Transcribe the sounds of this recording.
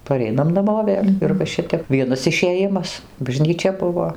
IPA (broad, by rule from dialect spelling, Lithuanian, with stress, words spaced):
pɐˈrʲɛɪnɐm nɐˈmoː ˈʋʲeːlʲ ɪr ʋɐ ˈʃʲɪtʲɛp ˈʋʲiɛnɐs ɪʃʲeːˈjɪmɐs bɐʒʲnʲiːˈt͡ʃʲɛ ˈbʊʋoː